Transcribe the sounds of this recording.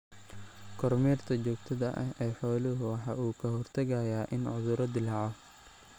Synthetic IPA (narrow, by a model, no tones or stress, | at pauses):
kʰɔrmɛːrt̪ʰɐt͡ʃɔːɡt̪ʰɐðɐ̰ʔɐ̰ɦɛːħɔːlɪɦʊwɑħɑ̰ːuːkʰɐɦɔrt̪ʰɐɣɐjaːʔɪnʕʊðʊɾɔd̪ɪlɑːʕɔ